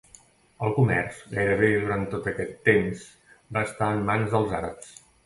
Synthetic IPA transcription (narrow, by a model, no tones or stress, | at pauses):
əlˠkumɛ̰rz̥ɣajɾəβeðuɾant̪ːot̪əkɛt̪ːems | baəst̪aənmanzðəlˠzaɾə̰ps